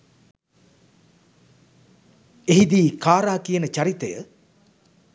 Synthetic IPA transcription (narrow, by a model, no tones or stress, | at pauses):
eɦid̪iːkaːɾaːkijənət͡ʃaɾit̪əjə̰